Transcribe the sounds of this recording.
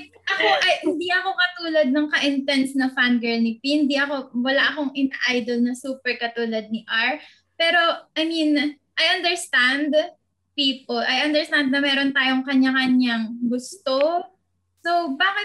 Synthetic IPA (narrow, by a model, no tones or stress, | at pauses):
ʔɐko̞ʔɐjhɪnd̪iʔɐko̞kɐt̪uːlɐd̪̚nɐŋkɐʔɪnt̪ɛnsnɐfanɡɛlnɪpihɪnd̪iʔɐko̞wɐlaʔɐkoŋʔɪnaʔajd̪olnɐsuːpɛɹkɐt̪uːlɐd̪̚niʔaɹ | pɛːɾo̞ʔɐjmin | ʔajʔɐnd̪ɛɹst̪and̪ | piːpolʔɐjʔɐnd̪ɛɹst̪and̪̚nɐmɛːɾo̞nt̪aːjo̞ŋkɐɲakɐɲaŋɡʊst̪o | sowbaːkɪt̪̚